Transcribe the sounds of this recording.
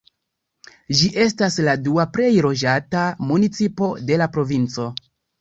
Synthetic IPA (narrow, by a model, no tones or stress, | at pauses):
d͡ʒiʔe̞s̬tasladuapɾe̞jɾo̞d͡ʒatamunit͡sipo̞de̞lapɾo̞vint͡so̞